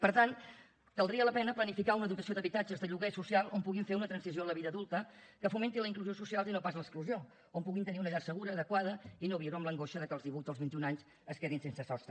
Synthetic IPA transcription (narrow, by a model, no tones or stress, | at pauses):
pəɾt̪an | kəlˠd̪ɾiələpɛnəplənifikaunəðut̪əsioðəβit̪ad͡ʒəzðəʎuɣɛsusialˠompuɣiɱfeunət̪ɾənsizioələβiðəðulˠt̪əkəfument̪iləiŋkluziosusialˠzinopazləkskluzio | ompuɣint̪əniunəʎaɾsəɣuɾəːðəkwaðəinoβiɾoəmləŋɡoʃəðəkəlˠzðiβuzəlˠβint̪iunaɲz | əskeðinsensəsɔst̪ɾə